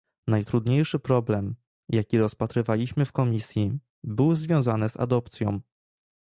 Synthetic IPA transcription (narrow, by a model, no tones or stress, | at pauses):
najt̪ɾud̪ɲejʂɘpɾɔblɛm | jakʲiɾɔspat̪ɾɘvalʲiɕmɘfkɔmʲisʲji | bɘwzvʲjɔ̃w̃zanɘza̰d̪ɔpt̪sʲjɔ̰̃w̃